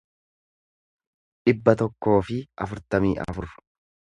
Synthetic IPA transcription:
ᶑɪbːɐt̪ɔkːo̞ːfɪʔɐfʊɾt̪ɐmiːʔɐ̰fʊɾ

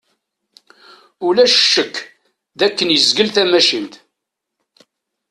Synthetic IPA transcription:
ulæʃə̥ʃːəkː | ðækːənjəzɡəlθæmæʃint̪

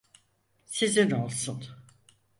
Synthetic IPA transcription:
sizinolˠsun

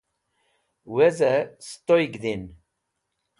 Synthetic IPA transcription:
wæzæst̪ojɡðin

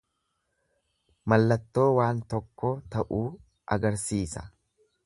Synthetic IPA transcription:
mɐlːɐt̪ːo̞ːwaːnt̪ɔkːɔt̪ɐʔuː | ʔɐɡɐɾsiːsɐ̥

